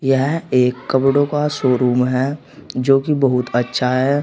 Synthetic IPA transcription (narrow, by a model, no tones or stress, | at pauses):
jɐɦeːkːɐpɽokasoːɾuːmɦɛː | d͡ʒoːkibɐɦʊt̪ətːʃʰaɦɛː